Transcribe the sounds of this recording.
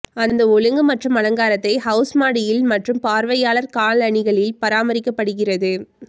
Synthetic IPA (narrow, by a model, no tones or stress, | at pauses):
ɐnd̪ɐʊɻɯŋɡɯmɐʈrɯmɐlɐŋɡaːɾɐt̪ːɐɪhɐʊsmaːɽɪjɪlmɐʈrɯmpaːɾʋɐjaːlɐɾkaːɭɐɳɪɣɐɭɪlpɐɾaːmɐɾɪkːɐpːɐɽɯɣɪrɐðɯ